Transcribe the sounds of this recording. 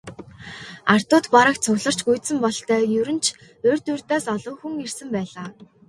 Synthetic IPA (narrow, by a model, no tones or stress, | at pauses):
ar̥t̪ʊːt̪paɾə̆kt͡sʰʊɣɮə̆r̥t͡ɕɡuj̪sɘ̆mpɔɮt̪œːjɵɾɵ̆nt͡ɕʰ | ɵːrʲt̪urt̪aːsɔɮɞ̆ːŋxuŋirsɘ̆mpæːɮaː